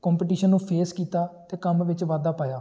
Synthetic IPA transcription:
kɔ̃ːmpeʈiːʃənːũːpʰeːskiːt̪aːt̪eːkəmʋɪt͡ʃʋaːd̪aːpaːjaː

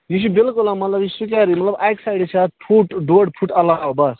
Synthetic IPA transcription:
jis̬ubelkolamɐt̪lɐbjisukaɾimɐt̪lɐbajksajɽt͡sʰapʰuʈɖuɐɽpʰuʈɐlaobas

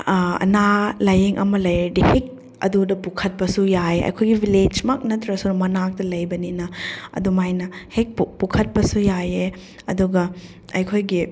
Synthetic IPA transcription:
ɐ̰nalajeŋʔɐ̰mɐlɐjdihek̚ | ɐ̰dudɐpukʰɐt̚pɐsujaeʔɐ̰jkʰojɡibiled͡ʒmɐk̚nɐtɾɐsumɐnak̚tɐlɐjbɐninɐɐ̰dumajnɐhek̚ppukʰɐt̚pɐsujaje | ɐ̰duɡɐ | ɐjkʰojɡi

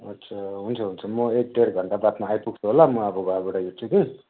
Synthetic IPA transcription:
ʌtːt͡sʰʌɦunt͡sʰʌɦunt͡sʰʌmʌek̚ɖ̪eɾɡʱʌɳʈabat̪maːjpuɡ̚t͡sʰuɦolamʌʌbʌɡʌaɡoʈajuʈt͡sʰuki

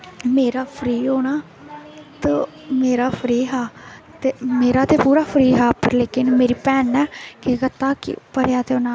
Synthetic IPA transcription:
meːɾaːpʰɾiːɦoːñaː | t̪ə | meːɾaːpʰɾiːɦɛːt̪eːmeːɾaːt̪eːpuːɾaːpʰɾiːɦɛːpəɾleːkɪnmeːɾiːpɛːnɛːkekət̪aːkɪ̰pəɾjaːt̪eːɦoːnaː

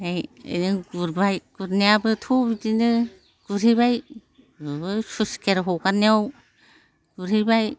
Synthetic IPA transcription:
ajḛjnɯɡuɾbajɡ̥uɾniabɯtʰubidinɯ | ɡ̥uɾɦiβaj | ɯbɯsuskʰeɾɦɔkaniaw | ɡ̥uɾhibaj

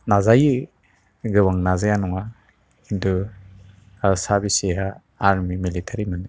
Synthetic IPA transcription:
nazajɯ | ɡɯwaŋnazajanɔŋa | kindu | sabiseɦaː | ɾmimilitʰaɾimɯn

